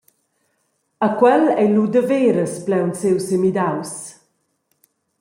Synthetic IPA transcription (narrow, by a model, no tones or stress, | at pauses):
akwɛlɛlud̪əveːɾəsplɛwnsewsemid̪aws